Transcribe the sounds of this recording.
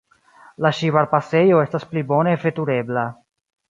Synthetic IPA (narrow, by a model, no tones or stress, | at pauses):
laʃiβaɾpase̞jo̞e̞stasplibo̞ne̞fe̞tuɾe̞bla